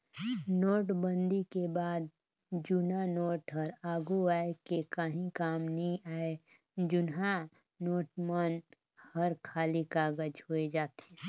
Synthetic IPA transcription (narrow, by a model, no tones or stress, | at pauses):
noːʈbə̃nd̪ikebaːd̪ | d͡ʒʊnanoːʈɦəɾaːɡuaːekekaɦĩkaːmnəɦĩaːe | d͡ʒʊnɦa | noːʈmən | həɾkʰaːlikaːɡəd͡ʒɦoːed͡ʒaːt̪eː